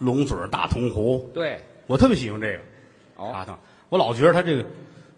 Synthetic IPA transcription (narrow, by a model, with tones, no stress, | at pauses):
lʊ˧˥ŋt͡sə̰˨˩˥t̪a̰˥˩t̪ʰʊ˧˥ŋxu˧˥t̪we˥˩ɪwɔ˨˩t̪ʰɤ˥˩pjɕi˨˩ʊ˧ŋʈ͡ʂɤ˥˩ɡə˩˧ | a˥t̪ɑ̰˥˩ŋ | wɔ˧˥lɑ˨˩ʊt͡ɕɥɛ˧˥˩a˥ʈ͡ʂɤ˥˩ɡə˩